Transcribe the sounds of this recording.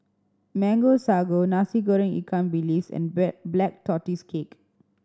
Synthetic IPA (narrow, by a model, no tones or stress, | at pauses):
mɛ̃ŋɡosaɡonasiɡoɹĩŋḭkʰãnbilisɛ̰̃nblɛk̚tɔtiskʰek